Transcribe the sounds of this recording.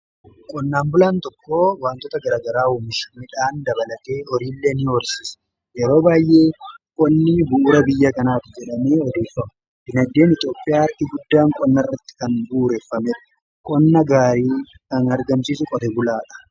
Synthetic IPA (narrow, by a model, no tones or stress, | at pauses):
kʼɔnːaːmbʊlaːnt̪ɔkːo̞ːwaːnt̪ɔt̪ɐɡɐɾaːɡɐɾaːuːmɪʃmɪᶑaːnd̪ɐbɐlɐt̪eːɔɾiːlːeːnɪwɔɾsiːs | jɛɾo̞ːbaːjʔe̞ːkʼɔnːibʊʔɾɐbɪjːɐkɐnaːt̪ɪd͡ʒɛᶑɐme̞ːɔd̪e̞ːfːɐmʊ | b̥ɪnɐd̪ːe̞ːnɪt̪ʼjo̞ːpʼːɪjaːɐɾʔɪɡʊd̪ːaːŋkʼɔnːɐrːɐt̪ːɪ̥kɐnbuːɾeːfːɐmɛᶑɐ̥ | kʼɔnːɐɡaːɾiː | kɐnɐɾɡɐmsiːsʊkʼɔt̪ɛbʊlaːᶑɐ̥